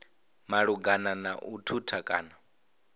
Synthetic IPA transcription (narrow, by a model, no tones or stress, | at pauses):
maɺuɡananaʔutʰutʰakʼa̰ːna